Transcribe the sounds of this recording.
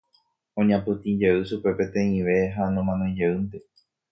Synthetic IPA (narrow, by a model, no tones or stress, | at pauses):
õɲãpɨt̪ĩd͡ʒeɨʃupe̞pẽ̞t̪ẽ̞ĩʋe̞ɦanõmãnõĩd͡ʒeɨnt̪e